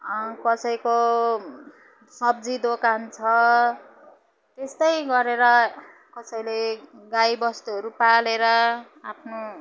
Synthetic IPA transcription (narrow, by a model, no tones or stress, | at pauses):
ʌkʌsʌjko | sʌb̚d͡zid̪okant͡sʰʌ | t̪est̪ʌjɡʌɾeɾʌ | kʌsʌjleɡajbʌst̪uɦʌɾupaleɾʌ | apʰno